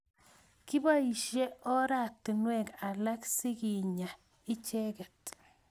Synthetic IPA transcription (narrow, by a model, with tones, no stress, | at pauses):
ki˦ba˦i˨ʃje˦ʔɔ˦ɾa˨tːi˨nwɛ˦˨ka˨la˦ksi˦ki˨ɲa˨ | i˦t͡ʃɛ˦kɛ˨t